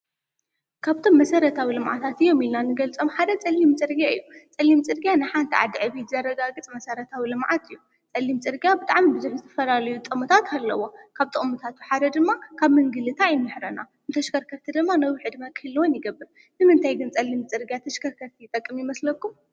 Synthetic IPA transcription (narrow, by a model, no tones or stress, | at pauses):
kʰaβt̪ʰo̞mːɐsɐɾɐt̪ʰawilɨmʕa̰t̪ʰat̪ɨjːo̞milnanɨɡɐlt͡sʼo̞mħad̪ɐt͡sʼɐlːimt͡sʼɨɾɡjaɨjːut͡sʼɐlːimt͡sʼɨɾɡijanɨħant̪ʰiʕa̰d̪ʕɨβizɐɾːɐɡaɡɨt͡sʼmɐsɐɾɐt̪ʰawilɨmʕat̪ɨjːu | t͡sʼɐlːimt͡sʼɨɾɡijabɨt̪ʼa̰ʕmibɨzuħzɨt̪ʰɐ̥fɐlalɐjut̪ʼɨmɨt̪ʰat̪alːɐ̰wo̞kʰaβt̪ʼɨ̰mɨt̪ʰat̪ʰu̥ħad̪ɐd̪ɨmːakʰaβmɨŋɡɨlɨt̪ʰaːjɪnːɨħɾɐna | nɨt̪ʰɐʃkʰɐɾkʰɐɾt̪ʰid̪ɨmːanɐwiʕɨd̪mɐkʰɨhɨlːwonjɪɡɐbːɨɾ | nɨmɨnt̪ʰajɡɨnt͡sʼɐlːimt͡sʼɨɾɡijat̪ʰɐʃkʰɐɾkʰɐɾt̪ʰijt̪ʼɐkʼːɨmjɪmɐslɐkːum